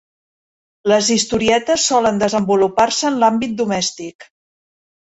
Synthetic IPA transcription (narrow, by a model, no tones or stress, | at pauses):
ləzist̪uɾiɛt̪əsːɔlənd̪əzəmbuluparsəːnlambit̪̚d̪umɛst̪ik